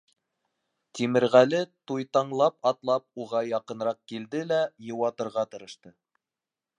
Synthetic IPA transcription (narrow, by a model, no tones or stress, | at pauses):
t̪imɘ̆ɾʁælɘt̪ujt̪ɑɴlˠɑpɑt̪lˠɑp̚uʁɑjɑqɤ̆nɾɑq̚kild̪ɘlæjɤ̆wɑt̪ɤ̆ɾʁɑt̪ɤ̆ɾɤ̆ʃt̪ɤ